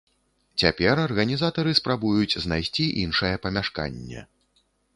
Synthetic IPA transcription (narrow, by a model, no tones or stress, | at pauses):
t͡sʲapʲɛrɐrɣɐnʲizat̪ɐɾɨspɾabujut͡sʲznajsʲt͡sʲiʔinʂɐjɛpɐmʲaʂka̰nʲːɛ̰